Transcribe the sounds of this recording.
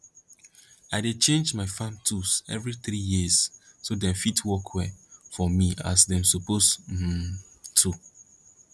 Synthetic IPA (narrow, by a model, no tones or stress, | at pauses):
aɪdet͡ʃẽnd͡ʒmaɪfãmtʰusɛ̰vɾiθɾijissodɛ̃mfitʰwɔkʰwɛfɔmĩa̰sdɛ̃msopʰosm̩tʰu